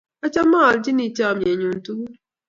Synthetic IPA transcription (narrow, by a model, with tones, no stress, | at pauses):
a˦ca˦maː˦˨lɟi˦ni˨ca˦˨mje˨ɲuː˨ntu˦